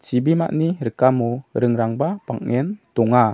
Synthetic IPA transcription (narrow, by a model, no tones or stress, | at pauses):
t͡ʃibima̰ʔniɾəkamuɾəŋɾaŋbapaŋŋɛnt̪uŋa